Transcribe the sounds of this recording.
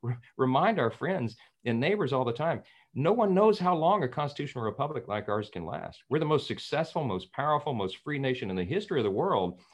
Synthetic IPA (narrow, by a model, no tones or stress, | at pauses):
ɹɨmãɪ̃ndaʊə˞fɹɛ̃ndz | ɨ̃nːeɪbə˞zɔlˠðətʰãɪ̃m | noʊwʌ̃nːoʊz̥ɦaʊlɔ̃ŋɨkʰɑ̃nstɨtʰʉʃn̩l̩ˠɹɨpʰʌblɨklaɪkɑɹz̥kʰɨ̃nlæ̰st̚wɨɹðəmoʊstsɨksɛsfl̩ˠmoʊspʰaʊə˞fl̩ˠmoʊstfɹineɪʃɨ̃nɨ̃nðɨɦɪstɹ̥iʌvðəwɜ˞lˠd̥̚